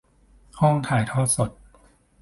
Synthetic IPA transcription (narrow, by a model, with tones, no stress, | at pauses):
hɔ˥˩ŋt̪ʰaː˨˩˦jt̪ʰɔː˥˩t̪̚so˨˩t̪̚